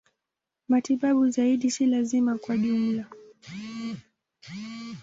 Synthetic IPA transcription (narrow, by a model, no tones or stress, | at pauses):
matiɓaɓuzaiɗisilazimakwaʄumla